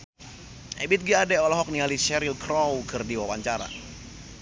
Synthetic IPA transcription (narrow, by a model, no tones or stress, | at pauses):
ɛbɪt̪̚ɡiadɛɔlaɦɔk̚nialisɛɾilkɾɔwkɨrdiwawaɲt͡ʃaɾa̰